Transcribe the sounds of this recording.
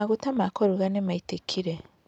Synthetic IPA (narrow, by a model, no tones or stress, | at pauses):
aɣutamakoɾuɣanemaitekʰiɾe